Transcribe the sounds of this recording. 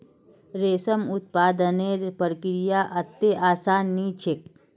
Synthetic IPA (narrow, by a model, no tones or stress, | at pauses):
ɾeːsəmʊt̪̚paːd̪əneːɾpəɾkɾɪjaːʔɐt̪ːeʔaːsaːnːiːt͡ʃʰɪk̚